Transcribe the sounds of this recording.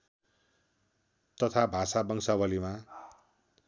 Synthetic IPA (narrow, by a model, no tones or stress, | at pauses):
t̪ʌt̪ʰabʱasabʌŋsawʌlima